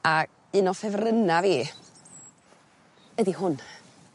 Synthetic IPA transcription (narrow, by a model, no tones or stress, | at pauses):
a | ɨnɔfɛvrənaviː | ədihʊn